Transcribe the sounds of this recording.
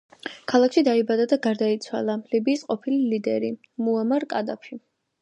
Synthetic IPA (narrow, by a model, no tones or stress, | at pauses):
kʰalˠakʰʃid̪aibad̪ad̪aɡaɾd̪ait̪sʰwa̰lˠalibiːsqʼɔpʰililid̪ɛɾi | muamaɾkʼad̪apʰi